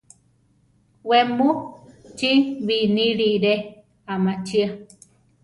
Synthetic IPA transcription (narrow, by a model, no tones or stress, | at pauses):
wemut͡ʃiβinĩɾiɾe | amãt͡ʃia